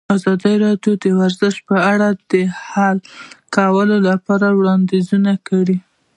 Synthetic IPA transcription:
azɑd̪əɾɑɖjod̪əwaɾzəʃ̚pəaɽad̪̥əhalkawəlolapɑɾawɽɑnd̪izunakawi

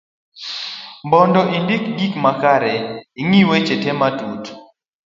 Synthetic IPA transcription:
mbɔndɔʔindikɡikmakaɾɛiŋiwɛt͡ʃɛtɛmatut

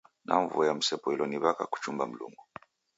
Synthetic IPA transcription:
nʔa̰ɱvuɔjam̩sɛpɔilɔniβakaku̥t͡ʃumbam̩lṵŋɡu

